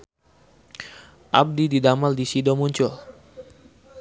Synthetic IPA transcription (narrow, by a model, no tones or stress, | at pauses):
ʔa̰b̚dididamaldisidɔmuɲt͡ʃʊl